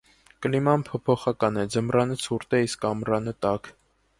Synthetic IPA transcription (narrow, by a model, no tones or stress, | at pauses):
kəlimɑnpʰɔpʰɔχɑkɑnɛd͡zəmrɑnət͡sʰuɾt̪ɛiskɑmrɑnət̪ɑk